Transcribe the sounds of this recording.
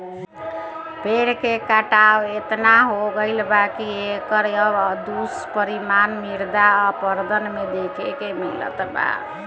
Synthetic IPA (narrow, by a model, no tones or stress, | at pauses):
peɾkekaʈawet̪naɦoɡəɪlbakiekəɾəd̪uspəɾimanmiɾd̪aɔpəɾd̪ənmed̪ekʰekemilə̰t̪ba̰